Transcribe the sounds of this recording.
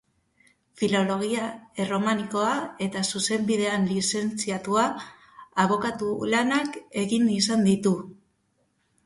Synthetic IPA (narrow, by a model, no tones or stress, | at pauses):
filo̞lo̞ɣ̞iae̞ro̞maniko̞ae̞t̪asuse̞mbiðe̞anlise̞nt͡siat̪uaː | β̞o̞kat̪ulanake̞ɣinisand̪it̪u